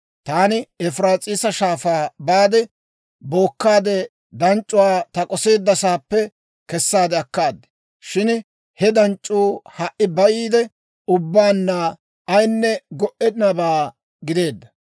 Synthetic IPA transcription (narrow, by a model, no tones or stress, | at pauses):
t̪aːnɪɛfɾaːt͡sʼiːsɐʃaːfaːbaːd̪ɛ | bo̞ːkːaːd̪ɛ | d̪ɐnt͡ʃʼːʊwaːt̪ɐkʼɔse̞ːd̪ːɐsaːpːɛ | kɛsːaːd̪ɛɐkːaːd̪ːɛ̥ | ʃɪn | hɛd̪ɐnt͡ʃʼːuːhɐʔːɪbɐjiːd̪ɛ | ʊbːaːnːaː | ɐjnːɛɡɔʔɛd̪ɪnɐbaː | ɡɪd̪e̞ːd̪ːɐ